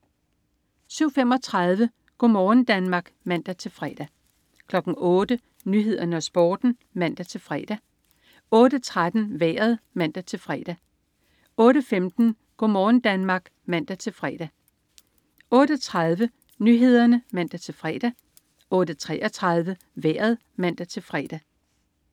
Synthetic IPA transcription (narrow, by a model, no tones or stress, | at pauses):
syʊ̰fem̰ɒ̽t͡sʰʁɑð̞ˠʋə | ɡ̥ɔ̰mɒːn̩d̥ænmɑ̈ːɡ̥mæn̰d̥æt͡sʰe̝lfʁɛ̰d̥æ | kʰlɒ̽ɡ̥n̩ɔ̽ːd̥ə | nyɦe̝ð̞̰ˠɐnəɒ̽sb̥ɔːd̥n̩ | mæn̰d̥æt͡sʰe̝lfʁɛ̰ːd̥æ | ɔ̽ːd̥ət͡sʰʁad̥n̩ʋæːɐð̞ˠmæn̰d̥æt͡sʰe̝lfʁɛ̰d̥æ | ɔ̽ːɾəfemd̥n̩ | ɡ̥omɒːn̩d̥ænmɑ̈ːɡ̥ | mæn̰d̥æt͡sʰe̝lfʁɛ̰d̥æ | ɔ̽ːɾəɒt͡sʰʁɑ̈ð̞ˠʋə | nyɦe̝ð̞̰ˠɐnəmæn̰d̥æt͡sʰe̝lfʁɛ̰ːd̥æ | ɔ̽ːd̥ət͡sʰʁɛːʔɒt͡sʰʁɑ̈ð̞ˠʋə | ʋæ̰ːɐð̞̩ˠ | mæn̰d̥æt͡sʰe̝lfʁɛ̰ːd̥æ